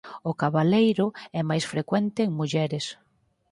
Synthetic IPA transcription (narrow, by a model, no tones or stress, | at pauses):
ʊkaβalejɾʊɛmajsfɾekwɛnt̪ɪːŋmuʎɛɾɪs